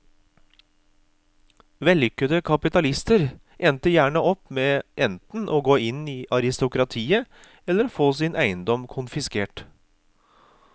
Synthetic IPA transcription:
ʋɛlːʏkːəd̪əkʰɑpɪt̪ɑlɪst̪əɾ | ʔɛnt̪əjæːɳəʔɔpmeːʔɛnt̪n̩ʔoːɡoːɪniːʔɑɾɪst̪ʊkɾɑt̪ʰiːə | ɛlːəɾfoːsɪnʔæɪənd̪ɔmkʰʊnfɪskeːʈ

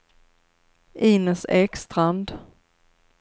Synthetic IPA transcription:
ʔiːnəsɛkst̪ɾand̪

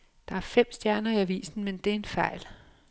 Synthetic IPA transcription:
d̥ɑ̈æɐfem̰sd̥jæɐnɐiæʋḭːsn̩mend̥e̝æɐe̝nfɑ̈ɪ̰l

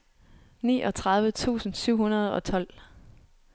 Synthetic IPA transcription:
nḭːʔɒ̽t͡sʰʁɑ̈ð̞ˠʋət͡sʰṵːsn̩syʊ̰hunɐð̞ˠɒ̽t͡sʰɒ̽l̰

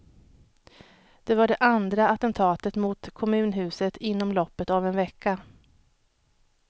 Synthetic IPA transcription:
d̪̥ɛvaɖɛʔand̪ɾaat̪ɛnt̪ʰɑːt̪ət̪mʊt̪kʰɔmʉ̟ːnɦʉ̟ːsət̪ʰɪnːɔmlɔpːət̪avɛnvɛkʰːa

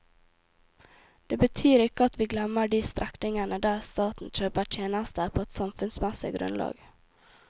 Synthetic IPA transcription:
d̪̥eːbət̪ʰyːɾɪkəɑt̪ʋiːɡlɛməɖiːst̪ɾʔɛknɪŋənəd̪æːɾst̪ɑːt̪n̩t͡ʃøːpəʈʰjeːnɑst̪əpʰoːɛt̪sɑmfʉnsmɛsɪ̰ɡɾʉ̰nlɑ̰ːɡ

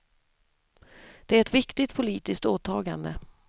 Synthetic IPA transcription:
d̪̥ɛæɾɛt̪vɪkt̪ɪt̪̚pʰʊliːt̪ɪsk̚t̪oːt̪ʰɑːɡa̰nd̪ə

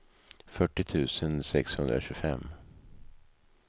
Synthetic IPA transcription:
fœʈːɪt̪ʰʉ̟ːsənsɛkshɵnd̪ɾa̰ɕʉ̟ːfɛ̰mː

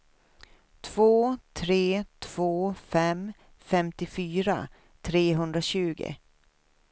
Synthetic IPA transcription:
t̪ʰv̥oːt̪ʰɾeːt̪ʰv̥oːfɛm | fɛmt̪ɪfyːɾa̰ | t̪ʰɾeːɦɵnd̪ɾaɕʉ̟ːɡɪ̰

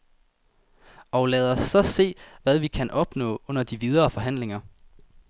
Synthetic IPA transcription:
ɒ̽læðˠɒ̽sːɒ̽se̝̰ːʋæðˠʋikʰænʔɒ̽b̥nɔ̰̽ːɔ̽n̰ɐd̥iʋið̞ˠɐːfɒ̽ɦæn̰le̝ŋɐ

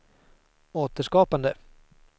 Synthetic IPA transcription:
oːt̪əʂkɑːpand̪ə

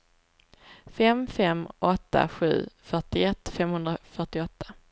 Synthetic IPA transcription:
fɛmfɛmʔɔt̪ːa̰ɧʉ̟̰ːfœʈɪɛt̪ːfɛmhɵnd̪ɾafœʈɪɔt̪ʰːḁ

